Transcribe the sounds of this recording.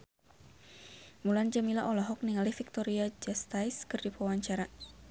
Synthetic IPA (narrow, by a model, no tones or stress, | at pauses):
muland͡ʒamilaʔɔlaɦɔk̚niŋalihfik̚t̪ɔɾiad͡ʒast̪ajskɨrdipawaɲt͡ʃaɾa